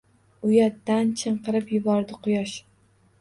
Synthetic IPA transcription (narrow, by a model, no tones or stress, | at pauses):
ʊjat̪ːant͡ʃʰɨɴqɨɾɪpjʊbɒɾd̪ɪqʰʊjɒʃ